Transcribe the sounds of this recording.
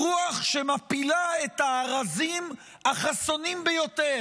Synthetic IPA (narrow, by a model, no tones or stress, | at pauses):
uaχʃe̞mapilae̞t̪aːʁazim | aχaso̞nimbejo̞t̪e̞